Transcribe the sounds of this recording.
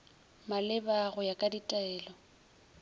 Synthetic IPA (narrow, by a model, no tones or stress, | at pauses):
malɪbaɣʊjakʼaditʼaɛːlɔ